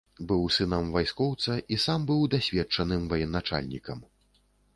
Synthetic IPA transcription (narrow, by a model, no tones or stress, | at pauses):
bɨwsɨnɐmvajskɔwt̪sɐʔisambɨwd̪asʲvʲɛtt͡ʂɐnɨmvajɛnːat͡ʂa̰lʲnʲikɐm